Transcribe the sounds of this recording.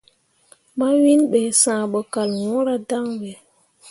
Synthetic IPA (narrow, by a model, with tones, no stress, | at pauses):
ma˦wi˦nɓɛ˨sãː˨ɓɔ˨ka˨lw̃ɔ˦ɾa˦da˦ŋwɛ˨